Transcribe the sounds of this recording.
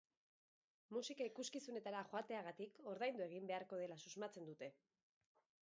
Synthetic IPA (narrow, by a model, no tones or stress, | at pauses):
musikaikuskisune̞t̪aɾaʝo̞at̪e̞aɣ̞at̪iko̞ɾðajnd̪ue̞ɣ̞imbe̞aɾko̞ð̞e̞lasuzmat͡se̞nd̪ut̪e̞